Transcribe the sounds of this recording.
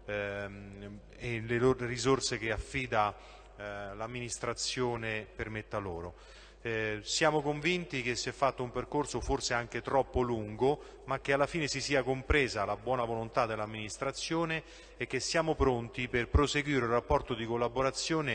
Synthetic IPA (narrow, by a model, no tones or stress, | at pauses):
eleloɾerizorsek̟eafːiːd̪a | lamːinist̪ɾat̪sːjoːnepermet̪ːaloːɾo | sjaːmokoɱvint̪ik̟esːiɛfːat̪ːoumperkorsoforseaŋk̟et̪ɾɔpːoluŋɡo | mak̟ːealːafiːnesisiːakompɾɛːzalabwɔːnavolont̪ad̪ːelːamːinist̪ɾat̪sːjoːneː | k̟ːesːjaːmopɾont̪iperpɾoseɡwiːɾeulrapːɔrt̪od̪ikolːaboɾat̪sːjoːne